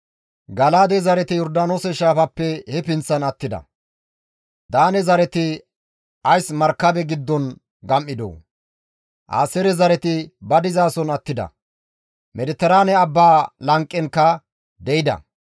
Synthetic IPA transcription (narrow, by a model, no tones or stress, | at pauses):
ɡɐlaːd̪ɛzɐɾɛt̪ɪjɔɾd̪aːnoːsɛʃaːfɐpːɛhɛpɪnt͡sːɐnɐt̪ːɪd̪ɐ̰ | d̪aːnɛzɐɾɛt̪ɪ | ɐjsmɐɾkːɐbɛɡɪd̪ːɔn | ɡɐmʔɪd̪o̰ː | ʔa̰ːsɛɾɛzɐɾɛt̪ɪbɐd̪ɪzaːsɔnɐt̪ːɪd̪ɐ̰ | mʔɛd̪ɪt̪ːɛɾaːnɛɐbːaːlɐŋkʼːɛnkːɐ | d̪ɛjɪd̪ɐ̰